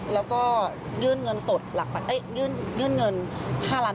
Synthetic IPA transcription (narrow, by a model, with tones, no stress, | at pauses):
lɛː˦˥wkɔː˥˩ | jɯː˧˥˨nŋɤ˧nso˨˩t̪̚la˨˩k̚pa˨˩ʔa˦˥˩jɯː˧˥˨nŋɯ˧˥˨nŋɤ˧nhʰaː˥˩laː˧˥